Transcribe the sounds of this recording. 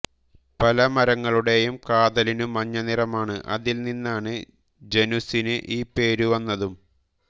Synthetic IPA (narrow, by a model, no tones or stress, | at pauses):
pɐlɐmɐɾɐŋːɐɭuɽe̞jumkaːðɐlinumːɐɲːɐnirɐmaːɳɨʔɐ̰ðilninːaːɳɨ | d͡ʑe̞nusinɨʔiːpːe̞ːɾuʋɐnːɐðum